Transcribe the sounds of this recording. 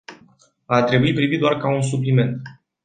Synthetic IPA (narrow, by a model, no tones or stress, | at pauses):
at̪ɾe̞buipɾivit̪d̪oarkauns̬uplime̞nt̪